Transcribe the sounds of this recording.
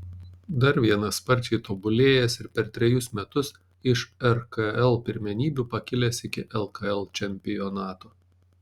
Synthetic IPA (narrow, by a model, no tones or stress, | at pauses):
d̪ɐɾʋʲiɛnɐspɐɾʲt͡ʃʲɛɪt̪oːbʊlʲeːjɛsɪɾpʲɛɾt̪ʲɾʲɛjʊsmʲɛt̪ʊs | ɪʃɛɾkɐɛlˠpʲɪɾʲmʲɛnʲiːbʲupɐkʲɪlʲɛsɪkʲɪʔɛlˠkɐɛlˠt͡ʃʲɛmʲpʲɪjɔnɑːt̪oː